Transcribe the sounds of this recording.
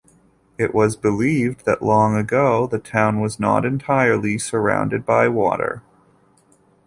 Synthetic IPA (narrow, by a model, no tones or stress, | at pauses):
ɪʔwʔʌzbɨlivðɨ̰ʔlɔ̃ŋɨɡoʊðɨtʰãʊ̃nwʌznə̰ɾɨ̃ntʰaɪə˞lˠisə˞ã̰ʊ̃ndɨd̚baɪwɔ̰ɾə̰˞